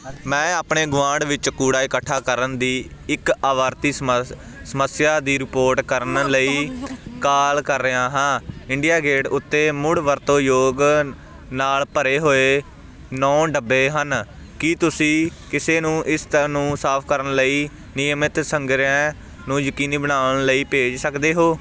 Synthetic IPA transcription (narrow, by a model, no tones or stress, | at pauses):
mɛ̃ːaːpɳeːɡʊʋãːɳɖʋɪt͡ʃkuːɽaːɪkəʈʰːaːkəɾənd̪iːɪkaːʋaːɾt̪iː | səməsjaːd̪iːɾɪpoːɾʈkəɾənləiːkaːlkəɾːəãːɦãːɪɳɖijaːɡeːɽʊt̪ːeːmʊɽʋəɾt̪oːjoːɡ | naːlpəɾeːɦoːeː | nɔ̃ːɖəbːeːɦən | kiːt̪ʊsĩːkɪseːnũːʔɪst̪ːnũːsaːpʰkəɾənləiː | nɪjəmɪt̪səŋɡɾãː | nũːjəkiːniːbənaːʋəɳləiːpeːd͡ʒsəkd̪eːɦoː